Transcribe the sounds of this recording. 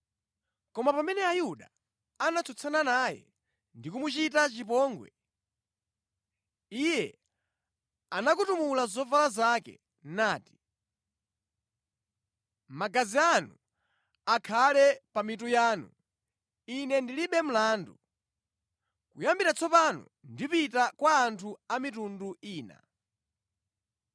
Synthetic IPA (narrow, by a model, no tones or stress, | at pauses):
kɔmapamɛnɛajuɗa | anat͡sʰɔt͡sʰananaːjɛ̰ | ndikumut͡ʃitat͡ʃip̬ɔːŋɡwɛ̰ | ijɛ | anakutumulazɔvalazakɛ̰ | naːti̥ | maɡazianu | akʰalɛpamitujaːnu | inɛndiliɓɛm̩laːndu | kujambiɾat͡sʰɔpanɔ̰ndipitakwaːntʰuamitunduiːna̰